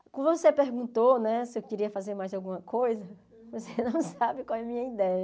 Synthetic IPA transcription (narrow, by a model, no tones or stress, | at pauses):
kwõd̪vosepeɾɡũnt̪onɛsɪewkiɾiɐfazeɾmajzawɡũmɐkojzɐ | vosenɐ̃w̃sabɪkwawɛɐmĩɲɐid̪ɛjɐ